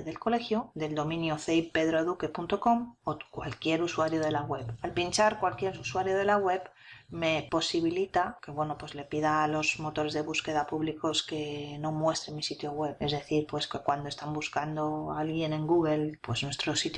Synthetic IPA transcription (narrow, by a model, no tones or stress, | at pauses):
ðe̞lko̞le̞xjod̪e̞ld̪o̞mĩnjoθeipe̞ðɾoðuke̞punt̪o̞ko̞mokwa̰lkje̞ɾuswaɾjoð̞e̞laɣwe̞βalpint͡ʃaɾkwalkje̞ɾuswaɾjoð̞e̞laɣwe̞β | me̞po̞siβ̞ilit̪ake̞βwe̞no̞pwe̞zle̞piðalo̞zmo̞t̪o̞ɾe̞zðe̞βuske̞ðapuβliko̞ske̞no̞mwe̞st̪ɾenmisit̪joɣwe̞βe̞zðe̞θiɾpwe̞skekwand̪oest̪ambuskand̪oalɣje̞ne̞ŋɡuɣ̞e̞lpwe̞znwe̞st̪ɾo̞sit̪